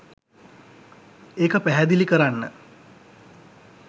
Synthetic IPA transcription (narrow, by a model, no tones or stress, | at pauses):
eːkəpæɦæd̪ilikəɾanːə